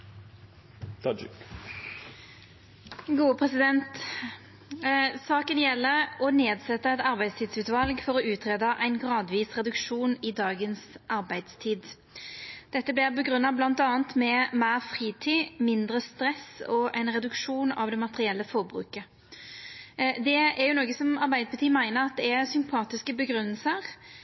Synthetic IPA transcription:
t̪ɑd͡ʒk | ɡuːəpʰʁɛsɪd̪ɛnt̪ | sɑːkənjɛlːəʁɔneːd̪sɛt̪ːəɛt̪ɑʁbæɪd̪st̪ʰiːd̪sʉːt̪ʋɑlɡfɔʁɔʉːt̪ʰʁeːd̪ɑʔæɪnɡʁɑːd̪ʋiːsʁɛd̪ʉkʂuːnɪd̪ɑːɡənsʔɑʁbæɪd̪̥st̪ʰiːd̪ | d̪̥ɛt̪ːəblɪʁbəɡɾʉnːɑblɑnt̪ɑːənt̪mɛmeːʁfʁiːt̪ʰiːmɪnd̪ɾəst̪ɾɛsɔʔæɪnʁɛd̪ʉkʂuːnɑ̰ʋd̪ɛmɑt̪əʁɪɛlːəfɔʁbɾʉ̰ːkə | d̪ɛæɾjʊnoːɡəsɔmɑʁbæɪd̪əpʰɑt̪iːmæɪnəʁɑt̪̚d̪ɛæsʏmpʰɑːt̪ɪskəbəɡʁʉnːəlsəʁ

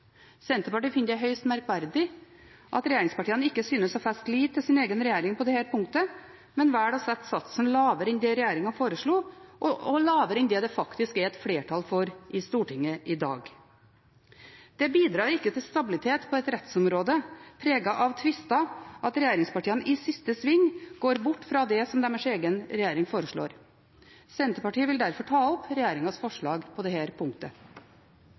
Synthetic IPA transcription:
sɛnt̪əpɑʈiːfɪnjæɦœʏst̪mæɾkʋæɾd̪ɪ | ʔɑt̪ɾɛjeːɾɪŋspɑʈiːənɪkːəsyːnəsɔfæst̪liːʋt̪ʰːɪlsɪneːɡənɾɛjeːɾɪŋpʰɔd̪ɛhæːɾpʰʊŋt̪ə | mɛnʋæːɽɔsɛt̪ːsɑt̪snlɑːʋəɾɛnd̪eːɾɛjeːɾɪŋɑfoːɾəʂɭuːʔɔɔlɑːʋəɾɛnd̪eːd̪ɛfɑkt̪ɪskɛɾɛt̪fɽeːʈʰɑlfɔɾʔɪst̪uːʈɪŋːəʔɪd̪ɑ̰ːɡ | d̪̥ɛbiːd̪ɾɑːɾɪkːət̪ʰɪlst̪ɑbɪlɪt̪ʰeːt̪pʰɔɛt̪ɾɛt̪sɔmɾoːd̪əpʰɾeːɡɑʔɑʋt̪ʰʋɪst̪ɑɑt̪ɾɛjeːɾɪŋspɑʈiːənʔɪsɪst̪əsʋɪŋːɡ̥oːɾbʊʈːfɾɑd̪ɛsɔmd̪ɛməʂeːɡənɾɛjeːɾɪŋfoːɾəʂɭo̰ːɾ | sɛnt̪əpɑʈiːəʋɪld̪æɾfɔʈʰɑːɔpɾɛjeːɾɪŋɑsfɔʂɭɑːɡpʰɔd̪ɛhæːɾpʰʊŋt̪ə

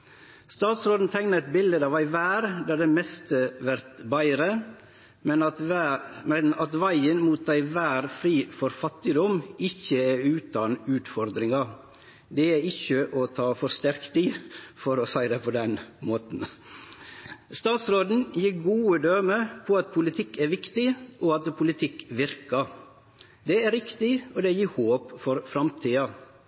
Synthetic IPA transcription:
st̪ɑːt̪sɾoːd̪n̩t̪ʰæɪŋnəɛt̪̚bɪld̪əd̪ɑʋæɪʋæːɾd̪æɾd̪ɛmɛst̪əʋæɾt̪bæɪɾə | mɛn | mɛnɑt̪ʋæɪənmuːt̪æɪʋæːɾfɾiːfɔɾfɑt̪ːɪd̪ɔmɪçːəæɾʉːt̪ɑnʉːt̪fɔɾd̪ɾɪŋɑ | d̪ɛæɪçəʔɔt̪ʰɑːfɔɾst̪æɾkt̪ifɔɾɔsæɪd̪ɛpʰɔd̪ɛnmoːt̪n̩ | st̪ɑːt̪sɾoːd̪n̩jiːɡuːəd̪øːməpʰɔɑt̪̚pʰʊlɪt̪ʰɪkːæɾʋɪkt̪ɪʔɔɑt̪pʰʊlɪt̪ʰɪkʋɪɾkɑ | d̪ɛæɾɪkt̪ɪɔd̪ɛjiːɾhoːpfɔɾfɾɑmt̪ʰiːɑ

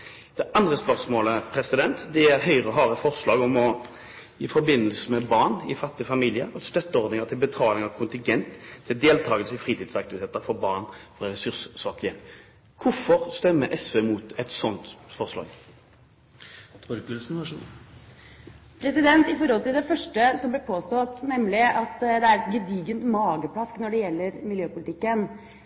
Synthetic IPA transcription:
d̪̥ɛʔɑnd̪ʁəspœʁsmoːləpʰɾɛsɪd̪ɛnt̪d̪ɛjɛæɦœʏʁəɔɦɑːʁəfɔʁslɑːɡɔmɔ | ifɔɾbɪnːəlsəmɛbɑʁnɪfɑt̪ːɪəfɑmiːlɪəɾɔst̪œt̪ːəɔɾd̪nɪŋət̪ʰɪlbət̪ʰɑːlɪŋɑkʰʊnt̪ɪnɡɛnt̪ʰːɪld̪eːlt̪ʰɑːɡəlsəfʁiːt̪ʰiːd̪sɑk̚t̪ɪʋɪt̪ʰeːt̪əɾfɔɾbɑːʁnfɔʁʁɛsʉʁssɑːkəɛn | kʰʊfɔʁst̪ɛmːəʔɛsʋeːmuːt̪ɛt̪sɔnt̪fɔʁslɑ̰ːɡ | d̪̥uːdʉɡʉlsnɑʂu | pʰɾɛsɪd̪ɛnt̪ɪfɔɾhɔlt̪ɪld̪ɛfœʂʈəsɔmblɪpʰoːst̪ɔt̪nɛmlɪʔɑt̪d̪ɛæɾɛt̪ɡəd̪iːɡənt̪mɑːɡəpʰlɑsknɔɖɛjɛlːəɾmɪljøːpʊlɪt̪ɪkːən

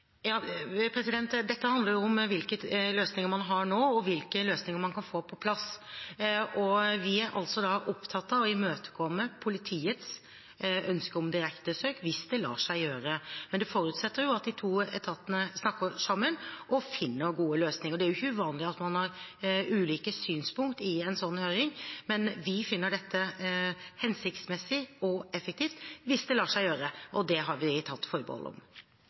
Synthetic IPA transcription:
jɑːpʰɾɛsɪd̪ɛnt̪d̪ɛt̪ːəhɑnd̪ləɾjʊʊmʋɪlkəløːsnɪŋəɾmɑnɦɑɳoːɔʋɪlkəløːsnɪŋəɾmɑnkʰɑnfoːpʰɔpʰlɑs | ʔɔʋɪæɾʔɑ̰lt̪sɔd̪ɑʔɔpt̪ʰɑt̪ːɑɔɪmøːt̪ə̥kʰɔmːəpʰʊlɪt̪ʰiːət̪s | œnskəɾɔmd̪ɪɾɛkt̪əsøːkʋɪsd̪ɛlɑ̰ːʂæɪjøːɾəmɛnd̪ɛfɔɾʉːt̪sɛt̪ːəɾjʊɑt̪̚d̪ɪt̪ʰuːɛ̰t̪ʰɑt̪ːənəsnɑkːəɾsɑmːənʔɔfɪnːəɾɡuːəløːsnɪŋəɔd̪ɛæɾjʊɪçːəʋɑːnlɪɑt̪mɑnhɑɾʉːliːkəsyːnspʊŋkt̪ɪɛnsɔnːhøːɾɪŋmɛnʋɪfɪnːəɖɛt̪ːə | hɛnsɪkt̪smɛsɪɔɛfɛk̚t̪ʰiːft̪ʋɪsd̪ɛlɑːʂæɪjøːɾəʔɔd̪ɛɦɑɾʋɪt̪ʰɑt̪ːfɔɾbə̰hɔ̰ʔəɔ̰m

